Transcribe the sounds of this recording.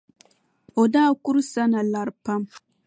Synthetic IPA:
o˨daː˦˨ku˦ɾsa˦na˨la˨ɾpa˦m

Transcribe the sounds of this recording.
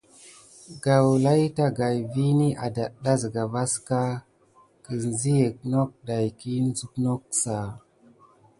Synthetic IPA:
ɡa˨wla˦jta˦ɡa˨jvi˦ni˦ʔa˨da˨ɗa˦zɡa˨va˦ska˦ | ki˨n˨zi˦je˨k̚no˦k̚da˨jki˦n˦zu˦kno˦ksa˨

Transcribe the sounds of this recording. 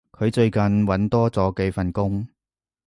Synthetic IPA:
kʰɵ˨˧ɥt͡ʃɵ˧ɥkɐ˨nwɐ˨˥nt̪ɔː˥t͡sɔː˨˥kɛ˧fɐ˨nkʊ˥ŋ

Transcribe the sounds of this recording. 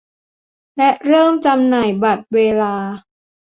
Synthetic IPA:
lɛ˦˥ʔɾɤː˥˩mt͡ɕa˧mnaː˨˩jba˨˩t̪̚weː˧laː˧

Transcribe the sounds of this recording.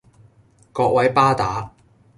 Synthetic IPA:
kɔː˧k̚wɐ˨˥jpaː˥t̪aː˨˥

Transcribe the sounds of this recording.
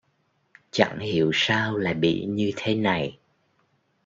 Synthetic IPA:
t͡ɕa̰˧˥ŋhi˧˩˨əwsaː˧wla̰ː˨˩ɓḭ˧˨ɲɨ˧t̪ʰe˨˦na˨˩j

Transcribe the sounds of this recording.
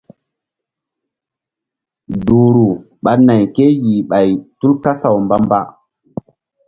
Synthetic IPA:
du˨ɾu˨ | ɓa˨na˨jke˦ji˨ɓa˨jtu˦lka˦sa˨wmba˦mba˦

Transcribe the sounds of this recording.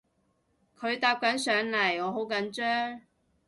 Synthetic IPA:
kʰɵ˨˧ɥt̪aː˧p̚kɐ˨˥nsœː˨˧˥ŋlɐ˨˩jɔː˨˧ɦo˨˥wkɐ˨˥nt͡ʃœː˥ŋ

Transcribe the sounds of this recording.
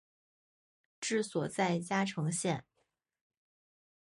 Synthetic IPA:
ʈ͡ʂɻ̩˥˩swɔ˨˩t͡sa˥˩ɪt͡ɕja˥ʈ͡ʂʰɤ˧˥ŋɕjɛ˥˩n

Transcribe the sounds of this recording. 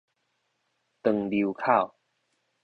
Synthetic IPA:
t̪ɨ˨˩ŋli˨˦kʰa˥˨w

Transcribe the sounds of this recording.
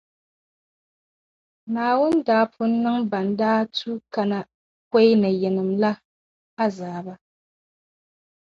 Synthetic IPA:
naː˨wʊ˦ndaː˨˦pʰʊ˦n˦nːɨ˦ŋba˨ndaː˦tʰu˦ka˨na˨ | ka˦jnɨ˨jɛ˨nɨ˨mla˦ | a˦zaː˨ba˦

